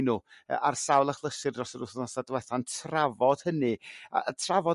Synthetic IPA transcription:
nuə̰ʔarsawlˠaχlˠəsɨrdrɔsəɾʊθnasadəwɛθantʰravɔd̥hənɨa̰ətʰravɔ

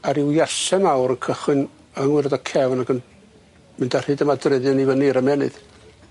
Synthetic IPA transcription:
aɾɪwjaɬɛnawɾənkʰəχwɨn | əŋwɪɾədɔkʰɛvnaɡən | mɪndar̥ɨːdəmadrɪðɨnivəniɾəmɛnɨ̰ð̥

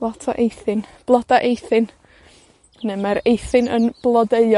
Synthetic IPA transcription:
lˠɔtʰa̰ʔejθɪnb̥lˠɔdaʔejθɨn | nɨmaɾejθɨnə̰nb̥lˠɔdeɨ

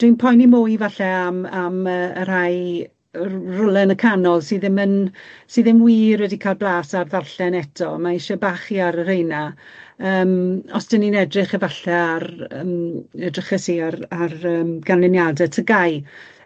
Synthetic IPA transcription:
d̥winpʰɔjnimʊjvaɬɛamaməːəɾ̥aj | rʊlˠɛnəkʰanɔlˠsiːðɪmənsiːðɪmwiːrwɛdikʰaːlˠblˠaːsarðarɬɛnɛtʰɔmaɪʃɛbaːχiaɾəɾejna | əːmɔsd̥əninɛdrɪχəvaɬɛarəmədrəχəsiararəːmɡ̥anlɪnjadɛtʰəɡaj

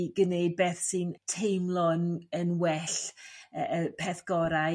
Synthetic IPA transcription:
ɡəneɨd̚beːθsɨntʰejmlˠɔnənwɛɬəəpʰɛθɡ̥ɔɾa

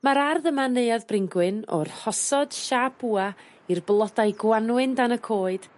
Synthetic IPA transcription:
maɾarðəmaneɨaðbrɪŋɡwɨnɔ̰rhɔsɔd̥ʃabuːa | irblˠɔdajɡwanwɨndanəkʰoːɨd̥

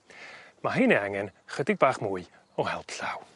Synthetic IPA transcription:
maɦineaŋɛnχədɪɡ̚baːχmuːɨ | ɔhɛlˠpʰɬaw

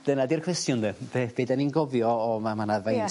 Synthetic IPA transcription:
d̥ənadirkʰwɛstjʊndebeb̥edaninɡɔvjɔːmamanaðvajn

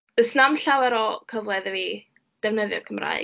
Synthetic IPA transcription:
ð̥əsnamɬawɛɾɔkʰəvlˠɛðəvi | d̥ɛwnəðjɔ̰kʰəmra̰ɨ

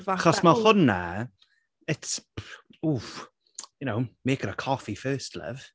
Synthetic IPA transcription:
aχɔsmahʊnːa̰ | ɪt | uːf | jʊnowmeːkəɾəkʰɔfifɜːstʰlɛ̰v̥

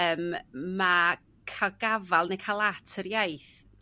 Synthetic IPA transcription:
əːmːa | kʰaɡavalˠnejkʰalˠatʰəɾjajθ

